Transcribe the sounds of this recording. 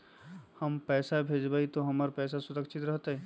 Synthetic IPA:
həmpɛːsabʱed͡ʒbait̪oɦəməɾpɛːsasʊɾəkt͡ʃʰit̪ɾəɦt̪ə

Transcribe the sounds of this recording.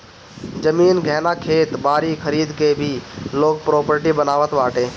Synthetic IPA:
d͡ʒəmiːnɡʱɛːnakʰeːt̪baːɾikʰəɾiːd̪kebʱiloːɡ̚pɾoːpəɾʈibənaːʋət̪ʋaːʈeː

